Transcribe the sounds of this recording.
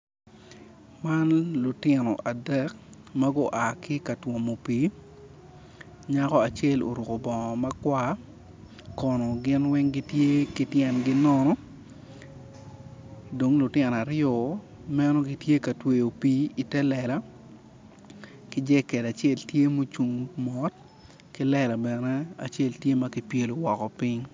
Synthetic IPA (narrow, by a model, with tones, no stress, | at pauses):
ma˦nlʊ˨tɪ˨nɔ̰˨ʔa˨dɛ˦k | ma˦ɡɔ˦ʔa˨kɪ˦ka˨two˨mo˨piː˨˦ | ɲa˦kɔ˦a˨t͡ʃɛ˦˨lo̰˨ɾu˨ko˨bɔ˨ŋɔ˨mɐ˦kwa˦ | kɔ˨nɔ˨ɡɪ˦nwɛ˦ŋɡɪ˦tje˦kɪ˦tjɛ˨nɡɪ˦nɔ˦nɔ˦ | do˨ŋlʊ˨tjɪɛ˨na˨ɾɪjɔ˨ | mɛ˦nɔ˦ɡi˦tje˦ka˨twe˨jo˨pi˦i˨tɛ˦lɛ˨la˦ | kɪ˦d͡ʒɛ˦kɛ˨da˨t͡ʃe˦ltje˦mo˦t͡ʃu˨ŋmɔ˦t | kɪ˦lɛ˨la˨bɛ˨nɛ˦a̰˨t͡ʃe˦ltje˦ma˦kɪ˦pje˦lo˨wɔ˨kɔ˨pɪ˦ɲ